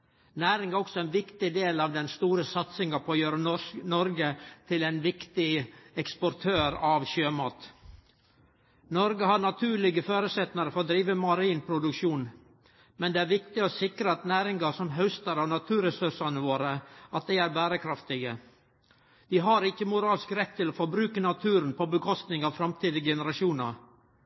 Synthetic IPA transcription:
næːɾɪŋæɾɔksɔɛnʋɪkt̪ɪd̪eːlɑʋd̪ɛnst̪uːɾəsɑt̪sɪŋɑpʰɔjøːɾənɔɾɡət̪ʰɪlɛnʋɪkt̪ɪɛkspɔɾt̪ʰøːɾɑʋɕøːmɑːt̪ | nɔɾɡəɦɑɾɳɑt̪ʰʉːɭɪɡəføːɾəsɛt̪nɪəɾfɔɾd̪ɾiːʋəmɑɾiːnpʰɾʊd̪ʉkʂuːn | mɛnd̪eːæːɾʋɪkt̪ɪoːsɪkɾəɑt̪næːɾɪŋɡɑsɔmɦœʉst̪əɾɑʋnɑt̪ʰʉːɾɛsɵʂɑnəʋoːɾəʔɑt̪̚d̪æɪæɾbæːɾəkʰɾɑft̪ɪɡə | d̪ɪɦɑɾɪkːəmʊɾɑːlskɾɛt̪ʰːɪlofɔɾbɾʉːkənɑt̪ʰʉːɾənpʰobəkʰɔst̪nɪŋɑːʋfɾɑmt̪ʰiːd̪əɡɛnəɾɑʃuːnɑɾ

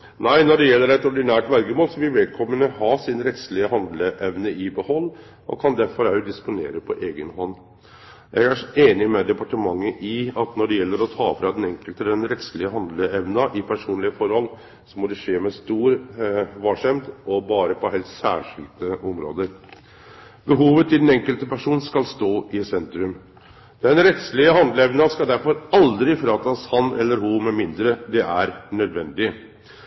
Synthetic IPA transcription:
næɪnɔɖɛjɛlːəɾæt̪ɔɖɪnæːʈʋælɡəmoːlsɔʋɪlʋɛl̚kʰɔmːənəhɑːsɪnɾɛt̪slɪəɦɑnd̪ləʔɛʋnəʔɪbəhɔlː | ʔɔ̰kʰɑnd̪æɾfɔɾæʊd̪ɪspʊneːɾəpʰɔʔeːɡənɦɔnː | jɛɡæʂeːnɪmɛd̪ɛpɑʈəmɑŋːəʔɪɑt̪nɔɖɛjɛlːəɾɔt̪ʰɑːfɾɑd̪ɛnɛŋkəlt̪əd̪ɛnɾɛt̪slɪəɦɑnd̪ləɛʋnɑʔɪpʰæʂuːnlɪəfɔɾhɔl | sɔmɔd̪ɛʂeːmɛst̪uːɾʋɑʂɛmd̪ɔbɑːɾəpʰɔɦɛlt̪sæ̰ːʂɪ̰lt̪əʔɔmɾo̰ːd̪əɾ | bəɦuːʋət̪ʰɪld̪n̩ɛŋkəlt̪əpæʂuːnskɑlst̪oːʔɪsɛnt̪ɾʉm | d̪̥ɛnɾɛt̪slɪəɦɑnd̪ləɛʋnɑskɑld̪æɾfɔɾɑld̪ɾɪfɾɑːt̪ɑshɑnɛlːəɾɦʊmɛmɪnd̪ɾəd̪ɛʔæɾnœd̪ʋɛnd̪ɪə

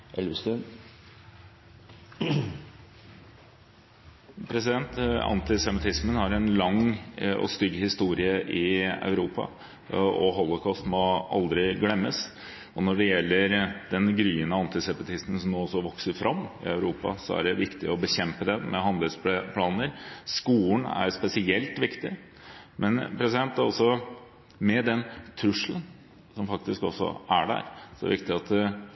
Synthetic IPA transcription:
ɛlʋsən | pʰɾɛsɪd̪ɛnt̪ɑ̰nt̪ɪsɛmɪt̪ʰɪsmənhɑɾɛnlɑŋɔ̰st̪ʏɡːhɪst̪uːɾɪəʔɪɑ̰ʉɾuːpɑ̰ | ɔɦɔlːɔkʰɔst̪mɔɑ̰ld̪ɾɪɡlɛmːəs | ɔnɔɖɛjɛlːəɾd̪ɛnɡɾyːənəɑnt̪ɪsɛpət̪ʰɪst̪n̩sɔmnoːɔsɔʋɔksəɾfɾʔɑmːɪ̰œʉɾuːpɑ̰sɔæ̰ɖɛʋɪkt̪ɪɔbəçɛmpəd̪ɛmɛɦɑnd̪əlspʰlɑːnəɾskuːɳæ̰ɾspɛsɪɛlt̪ʋɪkt̪ɪ | mʔɛnpʰɾɛsɪd̪ɛnt̪æɾɔsɔ | mɛd̪ɛnt̪ʰɾʉʂlən | sɔmfɑk̚t̪ɪskɔsːɔ̰ʔæɖæ̰ɾsɔæ̰ʋɪkt̪ɪɑt̪

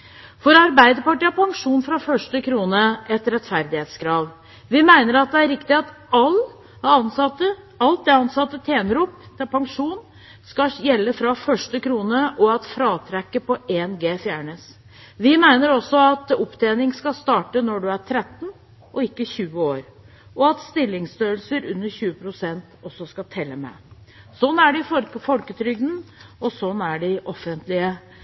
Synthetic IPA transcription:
fɔɾɑɾbæɪd̪əɾpɑʈiːɑpʰɑŋʂuːnfɾɑfœʂʈəkʰɾuːnəʔɛt̪ɾɛt̪fæɾd̪ɪheːt̪skʰɾɑːʋ | ʋɪmæɪnəɾɑt̪̚d̪ɛæɾɾɪkt̪ɪɑt̪ | ɑl | ɑnsɑt̪ːə | ɑlt̪̚d̪ɛɑnsɑt̪ːət̪ʰeːnəɾuːpt̪ʰɪlpʰɑŋʂuːn | skɑjɛlːəfɾɑfœʂʈəkʰɾuːnəʔɔɑt̪fɾɑːt̪ʰɾɛkːəpɔʔeːnɡeːfjæːɳəs | ʋɪmæɪnəɾɔsːɔɑt̪ʊpt̪ʰeːnɪŋskɑst̪ɑːʈənɔɖʉæɾt̪ʰɾɛt̪ːn̩ | ʔɔɪkːəçʉːəoːɾ | ʔɔɑt̪st̪ɪlːɪŋst̪øːəlsəɾʉnːəɾçʉːəpʰɾʊsɛnt̪ɔsːɔskɑt̪ʰɛlːəmɛ̰sɔnːæɖɪfɔlkət̪ʰɾʏɡ̚d̪n̩ɔsɔnːæɖɪʔɔfːənt̪lɪə

